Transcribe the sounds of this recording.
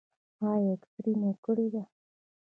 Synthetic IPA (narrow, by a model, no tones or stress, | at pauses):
haekt̪ɾimekəɽid̪a